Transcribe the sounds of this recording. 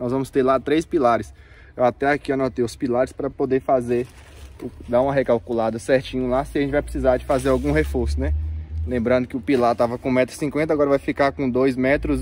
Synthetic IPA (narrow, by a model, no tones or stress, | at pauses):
nɔzvɐ̃mʊst̪eɾlat̪ɾejspilaɾɪs | ewat̪ɛakianot̪ejʊspilaɾɪspɾɐpod̪eɾfazeɾ | ʊd̪aũmɐɦekawkulad̪ɐsɛɾt͡ʃĩɲɐlasɪaʒẽtt͡ʃɪvajpɾɪsizaɾd͡ʒɪfazeɾawɡũɦefoɾsʊnɛlẽmbɾɐ̃nd̪ʊkɪʊpilaɾt̪avɐkõmɛt̪ɾʊ̥sĩkwẽnt̪ɐaɡɔɾɐvajfikaɾkõd̪ojzmɛt̪ɾʊz